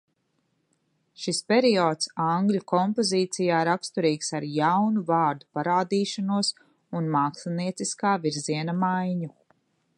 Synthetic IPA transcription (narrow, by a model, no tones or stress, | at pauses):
ʃispɛɾiɔːt̪saŋɡlukɔmpɔziːt̪sijaːɾakst̪uɾiːksaɾjawnuvaːɾd̪u̥paɾaːd̪iːʃanuɔs | unmaːksliniɛt̪siskaːviɾziɛnamajɲu